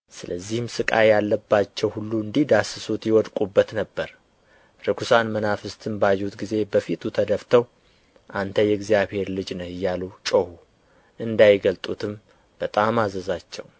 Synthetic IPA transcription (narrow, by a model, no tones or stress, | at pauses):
sɨləzːihɨmsɨkʼa̰jalːəbːat͡ʃːɛwhulːuɨnd̪ihd̪asɨsut̪jɪwɔd̪kʼubːət̪nəbːəɾ | ɾɨkʰusanmənafɨst̪ʰɨnbajut̪ɡize̞bəfit̪ʰut̪ʰəd̪əft̪ʰəw | ʔant̪ʰəjɛɡzijaβhe̞ɾlɨd͡ʒnəhɨjːalut͡ʃʼohu | ʔɨnd̪ajɪɡəlt̪ʼut̪ʰɨm | b̥ət̪ʼamazəzat͡ʃːɛw